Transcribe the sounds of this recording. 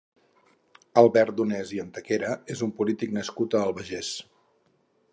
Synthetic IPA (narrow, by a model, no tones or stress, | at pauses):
əlˠβɛɾt̪̚d̪unɛziənt̪əkeɾəezumpulit̪iknəskut̪əːlˠβəʒes